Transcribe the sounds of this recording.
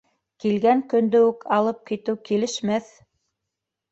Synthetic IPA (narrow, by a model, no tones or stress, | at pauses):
kilɡæŋkɵ̆nd̪ɘ̆wʉkʰɑlˠɤp̚kit̪ɘwkilɘ̆ʃmæθ